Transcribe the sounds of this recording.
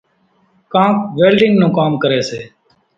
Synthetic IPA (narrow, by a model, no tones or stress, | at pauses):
kãːpʋeːlɖɪŋɡnõːkaːmkəɾeːseː